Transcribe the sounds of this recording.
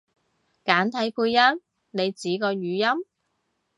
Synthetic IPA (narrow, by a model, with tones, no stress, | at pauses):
kaː˨˥nt̪ʰɐ˨˥jkuː˧jjɐ˥n | ne˨˧jt͡siː˨˥kɔː˧jyː˨˧jɐ˥m